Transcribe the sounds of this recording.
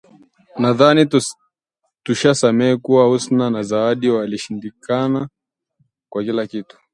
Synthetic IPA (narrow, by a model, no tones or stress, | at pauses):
naðani | tuʃasamɛːkuwahusnanazaaɗiwaliʃindikana | kwakilakitu̥